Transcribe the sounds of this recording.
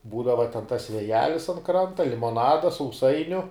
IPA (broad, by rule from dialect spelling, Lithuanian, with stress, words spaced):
ˈbuːdɐʋɐ tʲɛn tɐs ʋʲeːˈjæːlʲɪs ɐn ˈkrɐntɐ lʲɪmoːˈnɑːdɐ sɐʊˈsɐɪnʲʊ